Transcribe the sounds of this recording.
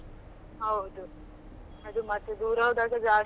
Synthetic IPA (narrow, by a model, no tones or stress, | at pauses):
ɦɐwd̪u | ɐd̪umɐt̪ːud̪uːɾɐʋɐd̪aːɡɐd͡ʒaː